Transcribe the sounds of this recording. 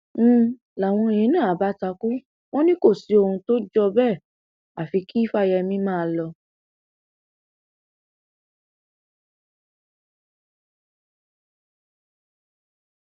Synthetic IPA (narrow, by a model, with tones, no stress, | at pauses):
la˨w̃ɔ̃˧i˧j̃ĩ˦nãː˦˨a˨ba˨˦ta˧ku˦ | w̃ɔ̃˦nĩ˦ko˦˨si˨˦o˧hũ˧to˦d͡ʒɔ˧bɛ˦˨ | a˨fi˨˧ki˦i˦fa˦jɛ˧mĩ˦mãː˦˨˧lɔ˧